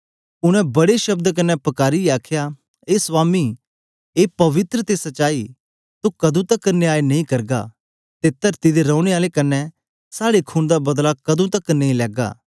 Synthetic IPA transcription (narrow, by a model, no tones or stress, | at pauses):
ʊnɛ̃bɐɽeʃɐb̚d̪k̬ɐnːɛpɐkaːɾiaːkʰja | eːsʋaːmi | eːpɐʋɪt̪ɾət̪esɐt͡ʃaːi | t̪ukɐd̪ũt̪ɐkːneaːenɐĩkɐɾɡa̰ | t̪eːt̪ɐɾt̪id̪eɾɔ̃ːʊ̃ɽ̃eaːlekɐnːɛ | saːɽekʰuːnd̪abɐd̪lakɐd̪ũt̪ɐkːnɐ̃ĩlɛːɡa̰ː